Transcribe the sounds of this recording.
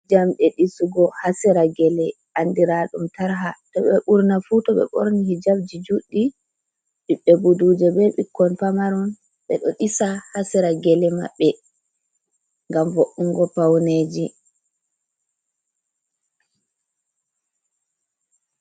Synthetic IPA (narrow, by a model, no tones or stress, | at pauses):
d͡ʒamɗɛɗisuɡɔhasɛɾaɡɛlɛʔandiɾaɗumtaɾɦatɔɓɛɓuɾnafutɔɓɛ̰ɓo̰ɾnihid͡ʒabd͡ʒid͡ʒuɗːi | ɗiɓːɛbuduːd͡ʒɛbɛɓikːɔnpamaɾun | ɓɛ̰ɗɔ̰ɗisahasɛɾaɡɛlɛma̰ɓːɛ | ŋɡamvoʔuŋɡɔpawneːd͡ʒi